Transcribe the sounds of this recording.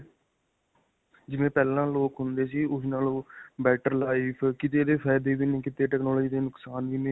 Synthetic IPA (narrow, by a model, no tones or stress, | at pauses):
d͡ʒɪʋẽːpɛːlãːloːkɦʊnd̪eːsiːʊsnaːlõːbɛːʈəɾlaːiːpʰkɪt̪eːd̪eːpʰɛːd̪eːbiːnẽːkɪt̪eːʈɛːknɔːlɔːd͡ʒiːd̪eːnʊksaːnʋiːnẽː